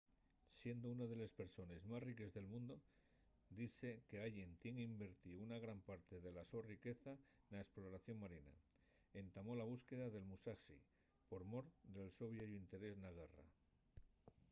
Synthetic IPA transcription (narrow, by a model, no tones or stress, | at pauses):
sje̞nd̪ounaðe̞lespe̞ɾso̞ne̞zmasrike̞zðe̞lmũnd̪o̞ | d̪iθe̞ke̞aʎe̞nt̪je̞ŋimbe̞ɾt̪iunaɣɾampaɾt̪e̞ðe̞laso̞rike̞θanaesplo̞ɾaθjo̞ŋmaɾina̰ | e̞nt̪amo̞laβ̞uske̞ðaðe̞lmusasḭ | po̞ɾmo̞ɾd̪e̞lso̞βjoʝoint̪e̞ɾe̞znaɣara̰